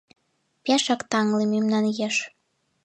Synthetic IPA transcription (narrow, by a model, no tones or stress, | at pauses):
pʲæʃɑkt̪ɑŋlemymnɑnjeʃ